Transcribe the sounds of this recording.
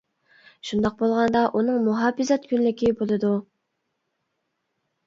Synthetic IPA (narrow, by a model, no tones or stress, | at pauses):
ʃund̪ɑq̚bolˠʁɑnd̪ɑʔunɨŋmuɦɑːfɪzɑt̪kʲʰynlɪkʲibolˠɨd̪u